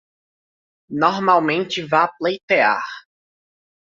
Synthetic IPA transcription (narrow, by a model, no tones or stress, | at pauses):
noɾmawmẽnt͡ʃɪvaplejt̪ea̰ɾ